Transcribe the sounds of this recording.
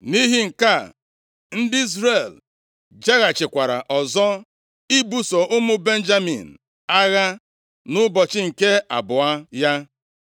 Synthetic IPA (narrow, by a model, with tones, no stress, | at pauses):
ni˦ɦi˦ŋ̩˨ka˦˨ | n̩˦dɪ˦i˦zɾe˨l | d͡ʒe˦ɣa˨t͡ʃɪ˨kʷa˨ɾa˨ʔɔ˨zɔ˦ | i˦bu˦sɔ˨ʔʊ˦mʊ˦be˦n̩˦d͡ʒa˦mḭ˨n̩˨ | a˦ɣa˦ | nʊ˦bɔ˨t͡ʃɪ˦ŋ̩˨ke˦a̰˨bʊ˨a˦ja˦